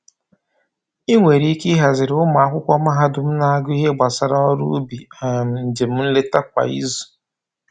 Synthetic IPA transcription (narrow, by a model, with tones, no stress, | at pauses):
i˦ŋʷe˨ɾi˦ki˦ɦa˨zɪ˨ɾʊ˦ma˨a˨kʷʊ˦kʷɔ˦ma˦ɦa˦dʊ˨m̩˦na˦ɡʊ˦i˦ɦe˦ɡ͡ba˨sa˨ɾa˦ɔ˦ɾṵ˦bi˨a˨m̩˨n̩˨d͡ʒe˨m̩˦n̩˦le˦ta˦kʷa̰˨ḭ˦zu̥˨